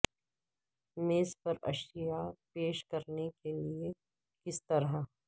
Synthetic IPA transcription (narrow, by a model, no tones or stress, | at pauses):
meːspɐɾɐ̰ʃijapeːʃkɐɾnekelie | kɪst̪ɐɾa